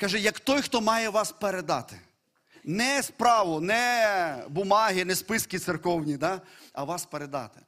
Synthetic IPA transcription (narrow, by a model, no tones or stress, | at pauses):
kɐʒɛjɐkt̪ɔjxt̪ɔmɑjɛʋɑspeɾed̪ɑ̰t̪ɪ̥ | nɛspɾɑʋʊnɛbʊmɑɦɪnɛspɪskʲɪt̪sɪrkɔwnʲid̪ɑɐʋɑspeɾed̪ɑ̰t̪ɪ̥